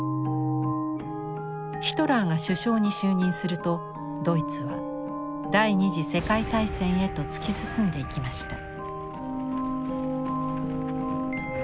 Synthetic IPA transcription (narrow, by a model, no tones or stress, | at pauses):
çi̥t̪o̞ɾaŋɡaɕɨɕo̞ːɲ̟iɕɨːɲ̟ĩɰ̃sɨɾɯ̟t̪o̞ | d̪o̞it͡sɨβa̰ | d̪aiɲ̟iʑise̞kait̪aisẽ̞ɰ̃e̞t̪o̞t͡sɨ̥kʲisɨsɨ̃nd̪e̞ikʲimaɕi̥t̪a